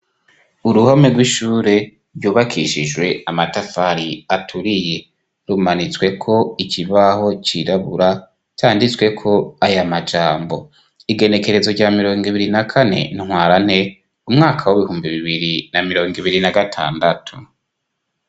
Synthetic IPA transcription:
uɾuhomeɡwiʃuːɾe̞ | ɾɟuːβakʰiʃid͡ʒwe̞amatafaɾiatʰuɾije̞ | ɾumanit͡swe̞kʰo̞iciβaho̞t͡ʃiɾaβuɾa | t͡ʃaːndit͡swe̞kʰo̞ajamad͡ʒaːmbo̞ | iɡe̞ne̞ke̞ɾe̞zo̞ɟaːmiɾo̞ːŋɡiβiɾinakʰane̞̰niŋ̥waːɾan̥he̞ | umŋaːkʰawoβihuːmbiβiβiɾinamiɾo̞ːŋɡiβiɾinaɡatʰa̰ːndatʰu

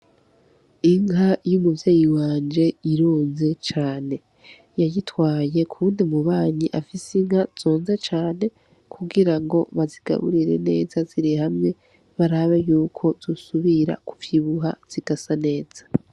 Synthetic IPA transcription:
iŋɦajumuvjeːjiwaːnd͡ʒe̞iɾoːnze̞t͡ʃaːne̞ | jajitwaːje̞kʰuːndimuβaːɲiʔafisiŋhaz̥o̞ːnze̞t͡ʃaːne̞ | kʰuɡiɾaŋɡo̞βaziɡ̥a̰βṵɾiɾe̞̰ne̞ːzaziɾihamŋe̞ | βaɾaβejuːkʰo̞z̥usuβiɾa̰kuvjiβuɦa̰z̥iɡ̥asane̞ːz̥ḁ

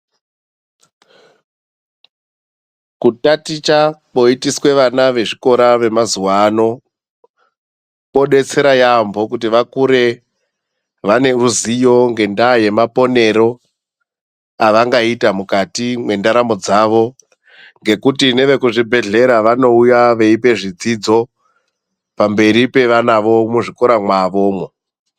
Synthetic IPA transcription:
kutatit͡ʃapo̞itiswe̞ʋanaʋe̞ʐiko̞ɾaʋe̞mazuwano̞ | po̞ɗe̞t͡se̞ɾajambo̞kutiʋakuɾe̞ | ʋane̞ruzijo̞ŋɡe̞ndaje̞mapo̞ne̞ɾo̞ | aʋaŋɡaitamukatimwe̞ndaɾamo̞d͡zaʋo̞ | ŋɡe̞kutine̞ʋe̞kuʐibʱe̞ɮe̞ɾaʋano̞ujaʋe̞ipe̞ʐid͡zid͡zo̞ | pambe̞ɾipe̞ʋanaʋo̞muʐiko̞ɾamwaʋo̞ːmo

